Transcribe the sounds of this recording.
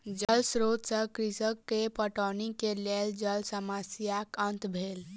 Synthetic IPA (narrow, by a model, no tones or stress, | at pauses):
d͡ʒəlsɾoːd̪səkɾisəkːepəʈɔnikeleld͡ʒəlsəmasijakənt̪bʱeːl